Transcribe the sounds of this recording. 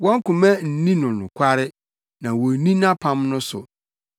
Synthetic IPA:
wɔ̃˦ŋ˦kʊ̃˨mɛ̃˦n̩˨nĩ˦nʊ̃˨nʊ̃˨kʷʰa˦ɾɪ˦ | nã˨wɔ˨˦nĩ˦nã˦pʰã˦mnʊ̃˦sʊ˨

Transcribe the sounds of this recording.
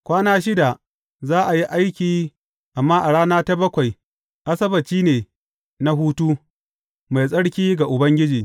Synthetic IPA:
kʷaː˦naː˦ʃ̬ɪ˦da˨ | zaː˦ʔa˨ji˦ʔa˦jkʲiː˨ | ʔa˨mːaː˦ʔa˨ɽaː˦naː˦ta˦bɐ˦kʷa˨j | ʔa˦sɐ˦bɐ˨t͡ʃiː˦neː˨ | na˦ɦuː˦tuː˦ | ma˨jsʼɐ˦ɽkʲiː˦ɡa˨ʔʊ˨bɐ˦ŋɡʲɪ˦d͡ʒiː˨

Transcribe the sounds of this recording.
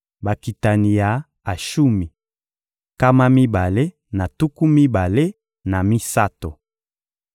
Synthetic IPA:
ba˨ki˨ta˨ni˨ja˨ | a˨ʃu˦mi˨ | ka˦ma˦mi˦ba˨le˦ | na˨tu˦ku˦mi˦ba˨le˦ | na˨mi˦sa˦to˨

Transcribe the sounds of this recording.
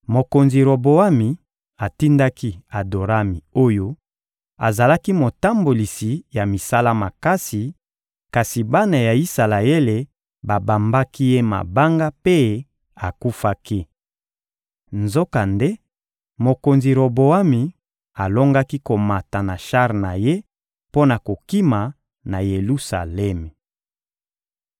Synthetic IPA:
mo˨ko˨nzi˨ɾo˨bo˨a˦mi˨ | a˨ti˦nda˦ki˦a˨do˨ɾa˦mi˨o˦jo˦ | a˨za˨la˦ki˦mo˨ta˦mbo˨li˨si˨ja˨mi˨sa˦la˦ma˨ka˦si˨ | ka˨si˨ba˦na˨ja˨i˦sa˨la˨e˦le˨ | ba˨ba˨mba˦ki˦je˦ma̰˨ba˦ŋɡa˦pe˦ | a˨ku˦fa˦ki˦ | nzo˦ka˨nde˦ | mo˨ko˨nzi˨ɾo˨bo˨a˦mi˨ | a˨lo˦ŋɡa˦ki˦ko˨ma˨ta˨na˨ʃa˦ʁna˨je˦ | po˦na˨ko˨ki˦ma˨ | na˨je˨lu˦sa̰˨lɛ˦m˨

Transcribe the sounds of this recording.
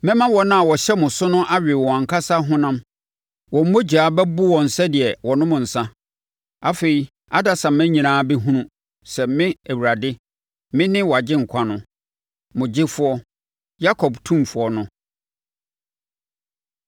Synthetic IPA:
mɪ̃˦mã˦wɔ˨nã˦a˨wɔ˨ɕɛ˦mʊ̃˨sʊ˦nʊ̃˦ʔa˦ɥᶣɪ˨wɔ̃˨ã˨ŋ̩˨kʰa˦sa˦ɦʊ̃˦nã˦m | wɔ̃˨m̩˦mõ˦d͡ʑaː˨˦bɛ˦bʊ˦wɔ̃˨n̩˨sɛ˦dɪ˨ɛ˨wɔ˨nʊ̃˦mʊ̃˨n̩˨sã˦ | a˦fe˨i˨ | a˦da˨sã˨m̩˨mɛ̃˦ɲĩ˨nãː˦bɛ˦ɦũ˦nũ˦ | sɛ˨mɪ̃˦æ˨wu˨ɾa˨dɪ˦ | mɪ̃˦nɪ̃˦wɔ˨a˨d͡ʑɪ˦ŋ̩˨kʷʰã˦nʊ̃˦ | mʊ̃˨d͡ʑɪ˦fʊ˦ɔ˦ | ja˦kʰɔ˨btʰũ˦mfʊ˨˦ɔ˦nʊ̃˦

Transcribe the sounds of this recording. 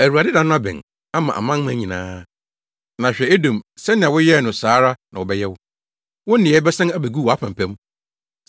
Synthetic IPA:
æ˨wu˨a˨dɪ˦dã˨˦nʊ̃˦a˦bɪ̰̃˨n | a˦mã˨ʔa̰˨mã˦mã˦ɲĩ˨nã̰ː˦ | nã˨ɕᶣɛ˨e˦dõ˨msɛ˦nɪ̃˨ã˨wʊ˦jɛ˦˨nʊ̃˨saː˨˦ɾa˦nã˨wɔ˨bɛ˦jɛ˦wʊ˦ | wʊ̃˦n˦nɪ̃˨ɛ˨˦bɛ˦sã˦ŋæ˦bæ˨ɡu˦˨wɔ˨a˦pʰã˨mpʰæ̃˦m

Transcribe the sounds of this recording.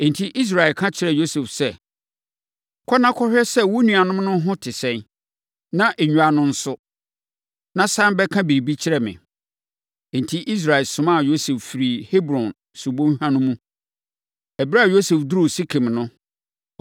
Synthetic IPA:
ẽ˨n̩˨tʰi˦ʔi˦s̬ɾa˨ɛ˨kʰã˦t͡ɕʰɪ˦ɾɛ˨jo˦se˨fsɛ˦˨ | kʰɔ˦nã˦kʰɔ˦hᶣɛ˦sɛ˦wʊ˦nũ˨a˨nʊ̃˦mnʊ̃˦ɦʊ̃˦tʰɪ˨sɛ̃˦n | nã˦ʔe˨ɲᶣũ˨a˨nʊ̃˦n̩˦sʊ˦ | nã˦sã˦mbɛ˦kʰã˦bi˨ɾi˨bi˦t͡ɕʰɪ˦ɾɛ˨mɪ̰̃˨ | ẽ˨n̩˨tʰi˦ʔi˦s̬ɾa˨ɛ˨lsʊ̃˨mã˦˨jo˦se˨ffi˨ɾi˨he˦bɾɔ̃˨n | su˨bõ˦hã˦nʊ̃˦mũ˦ | ɛ˨bɾa˦˨jo˦se˨fdʊ˦ɾu˦˨si˦kʰẽ˨mnʊ̃˦

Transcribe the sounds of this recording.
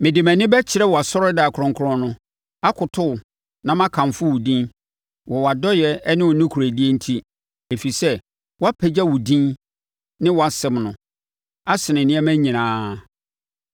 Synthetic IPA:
mɪ̃˨dɪ˨mæ̃˨nɪ̃˦bɛ˦t͡ɕʰɪ˨ɾɛ˦wɔ˨a˨sɔ˦ɾɔ˦da˨kʰɾɔ̃˨ŋ˨kʰʊ˦ɾɔ̃˦nʊ̃˦ | a˦kʰʊ˨tʰʊ˦˨ | nã˦mã˦kʰã˨mfʊ˦wʊ˨dĩ˦n | wɔ˨wa˨dɔ˦jɛ˨˦nɪ̃˦wɔ˨nũ˦kʰu˨ɾæ˨di˦e˦n̩˦tʰi˦ | e˨fi˨sɛ˦ | wɔ˦a˦pʰɛ˨d͡ʑa˦wʊ˨dĩ˦n | nɪ̃˦wɔ˨a˨sɪ̃˨mnʊ̃˨ | a˦sɪ˨nɪ̃˨nɪ̃˦ɛ˦mæ̃˦ɲĩ˨nãː˨˦

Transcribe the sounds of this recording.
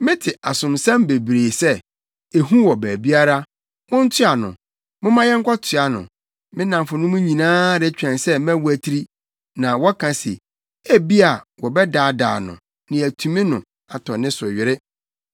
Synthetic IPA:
mɪ̃˦tʰɪ˨ʔa˨sʊ̃˨msã˦mbe˨bɾeː˨sɛ˦ | e˨ɦũ˦wɔ˨bæː˨bi˦a˦ɾa˦ | mʊ̃˦n̩˦tʰɪ˦a˨nʊ̰̃˨ | mʊ̃˦mã˦jɛ˦ŋ̩˦kʰɔ˦tʰɪ˨a˨nʊ̰̃˨ | mɪ̃˦nã˨m˨fʊ˨nʊ̃˦mʊ̃˦ɲĩ˨nãː˦ɾɛ˦t͡ɕᶣɛ̃˨nsɛ˦m˦æ̃˦wu˦æ˨tʰi˦ɾi˦ | nã˨wɔ˦kʰã˨sḛ˨ | æ˦bi˦a˨wɔ˨bɛ˦daː˨˦˨da̰ː˨nʊ̰̃˨ | nɪ̃˨æ˨tʰũ˨mĩ˦nʊ̃˨ | a˨tʰɔ˨nɪ̃˦sʊ˨ɥɪ˨ɾɪ˦

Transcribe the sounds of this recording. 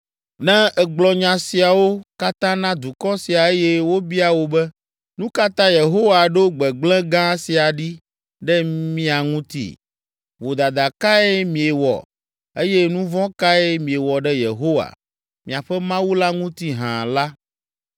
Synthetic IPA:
nɛ̃˦ɛ˨ɡ͡blɔ˨ɲã˨si˨a˨wo˦ka˦t̪ã˦nã˦d̪u˨kɔ˦si˨a˨e˦jɛ˦wo˦bi˦a˨wo˦bɛ˦ | nũ˦ka˦t̪ã˦je˨ɦo˦wa˨ɖo˦ɡ͡bɛ˨ɡ͡blɛ̃˦ɡã˦si˨a˨ɖi˦ | ɖɛ˦mĩ˦a˨ŋũ˦t̪ḭ˦˨ | vo˨d̪a˨d̪a˨ka˦ɛ˦mĩ˨e˨wɔ̰˨ | e˦jɛ˦nũ˦vɔ̃˦ka˦ɛ˦mĩ˨e˨wɔ˨ɖɛ˦je˨ɦo˦wa̰˨ | mĩ˨a˨ɸɛ˦mã˦wu˦la˦ŋũ˦t̪i˦ɦã̰˨la˦

